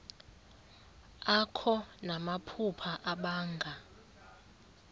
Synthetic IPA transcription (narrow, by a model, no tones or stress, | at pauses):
akʰɔnamapʰupʰaʔaɓaːŋɡʱa